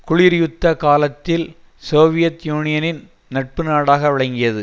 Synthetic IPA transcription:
kʊɻiːɾjʊt̪ːɐkaːlɐt̪ːɪl | soːʋɪjɐt̪juːnɪjɐnɪn | nɐʈ̚pɯnaːɽaːɣɐʋɪɭɐŋɡɪjɐðɯ

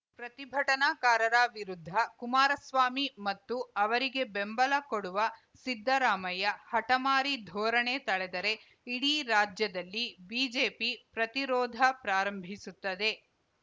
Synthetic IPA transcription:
pɾɐt̪ibʱɐʈɐnaːkaːɾɐɾaʋiɾud̪ʱːɐkumaːɾɐsʋaːmimɐt̪ːuɐʋɐɾiɡe̞bembɐlɐkoɽuʋɐ | sid̪ʱːɐɾaːmɐjɐhɐʈɐmaːɾid̪ʱɔːɾɐɳe̞t̪ɐɭɛd̪ɐɾe̞ | iɽiɾaːd͡ʒjɐd̪ɐlːibiːd͡ʒeːpipɾɐt̪iɾɔːd̪ʱɐpɾaːɾɐmbʱisut̪ːɐd̪e̞

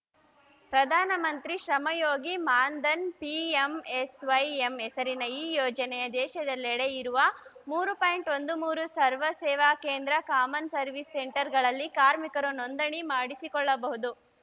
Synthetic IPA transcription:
pɾɐd̪ʱaːnɐmɐnt̪ɾiʃɾɐmɐjoːɡimaːnd̪ɐnpiemesʋɐjemɛsɐɾinɐiːjɔːd͡ʒɐnɛjɐd̪ɛːʃɐd̪ɐlːɛɽeiɾuʋɐmuːɾupaːjɳʈo̞nd̪umuːɾusɐɾʋɐsɛːʋaːkeːnd̪ɾɐkaːmɐnsɐɾʋisːeɳʈɐɾɡɐɭɐlːikaːɾmikɐɾunond̪ɐɳimaːɽisikɔɭːɐbɐɦud̪u

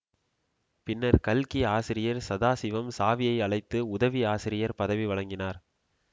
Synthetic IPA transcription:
pɪnːɐɾkɐlkiaːsɪɾɪjɐɾsɐðaːsɪʋɐmsaːʋɪjɐɪɐɭɐɪt̪ːɯʊðɐʋiaːsɪɾɪjɐɾpɐðɐʋiʋɐɭɐŋɡɪnaːɾ

